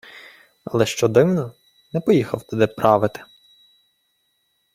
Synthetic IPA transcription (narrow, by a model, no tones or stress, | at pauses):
ɐlˠɛʃt͡ʃɔd̪ɪwnɔ | nɛpɔjixɐwt̪ɔd̪ɛpɾɑʋɪt̪ɪ̥